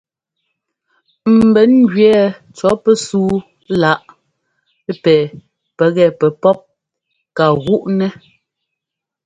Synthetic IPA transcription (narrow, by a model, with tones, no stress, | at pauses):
m̩˨bɛ˨˦nɡɥɛː˦t͡ʃɔ˨˦pɛ˦suː˦ | la˨˦ʔ | pɛː˨ | pɛ˨ɣɛ˦˨pɛ˨pɔ˦p̚ | ka˨ɣu˦ʔnɛ˦